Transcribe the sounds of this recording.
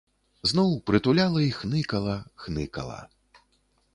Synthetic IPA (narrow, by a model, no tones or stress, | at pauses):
znɔwpɾɨt̪ulʲalˠɐixnɨkɐlˠɐxnɨkɐ̰lˠɐ̰